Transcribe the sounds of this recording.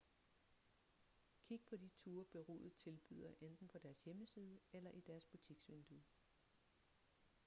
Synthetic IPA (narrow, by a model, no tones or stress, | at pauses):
kʰiɡ̥əpʰɒ̽d̥it͡sʰuːɐb̥e̝ʁṵːð̩ˠt͡sʰe̝lb̥y̰ð̞̰ˠɐʔend̥n̩pʰɒ̽d̥æɐsjeməsiːð̞ˠəelɐʔid̥æɐsb̥ut͡sʰiɡ̥sʋe̝nd̥u